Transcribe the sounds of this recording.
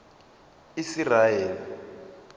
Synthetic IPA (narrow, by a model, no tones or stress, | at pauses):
isirajɛːli